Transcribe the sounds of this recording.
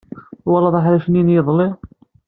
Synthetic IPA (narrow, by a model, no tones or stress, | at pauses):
wɑlˤːɑðˤɑħɾæʃənjinjəðˤli